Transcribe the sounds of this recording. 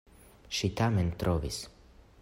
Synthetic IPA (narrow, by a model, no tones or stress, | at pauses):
ʃit̪amɛnt̪ɾʔovḭs